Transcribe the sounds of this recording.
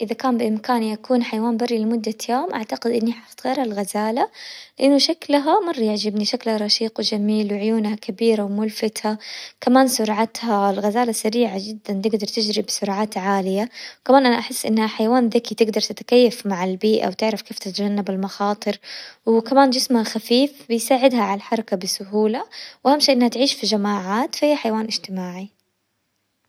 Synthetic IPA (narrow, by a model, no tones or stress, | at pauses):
ʔɪðakaːmbɪʔɪmkaːniʔakuːnħajawaːnbarːilɪmʊd̪ːajoːmʔaʕt̪aqɪd̪ʔɪnːiħɑft̪ɣeːɾhalɣazaːlalɪʔɪnːʊʃaklɦamɑrˤːɑjɪʕd͡ʒɪbniʃaklhaɾˤɑʃiːqwɪd͡ʒamiːlwɪʕʊjuːnhakabiːɾawmʊlfɪt̪hakamaːnsʊɾˤʕat̪halɣazaːlasaɾiːʕad͡ʒɪd̪ːant̪ɪɡd̪ɑɾˤt̪ɪd͡ʒɾɪbsʊɾˤʕaːt̪ʕaːlɪjakamaːnʔanaʔaħɪsːʔɪnːhaħajawaːnðɪkit̪ɪɡd̪ɑɾˤt̪ɪt̪ḁkajːafmaʕɪlbiːʔa̰wt̪ɪʕɾafkeːft̪ɪt̪ad͡ʒanːabɪlmɑxɑːt̪ˤɨɾwɪkamaːnd͡ʒɪsmhaxafiːfbɪjsaːʕɪd̪haʕalalħɑɾˤɑkabɪsʊɦuːlawʔahamʃiːʔɪnhat̪ʕiːʃfid͡ʒamaːʕaːt̪fahijːaħajawaːnʔɪd͡ʒt̪ɪmaːʕi